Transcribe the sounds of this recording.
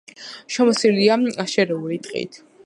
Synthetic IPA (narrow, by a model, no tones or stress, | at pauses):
ʃɔmɔsiliaaʃɛɾɛulit̪ʼqʼḭt̪ʰ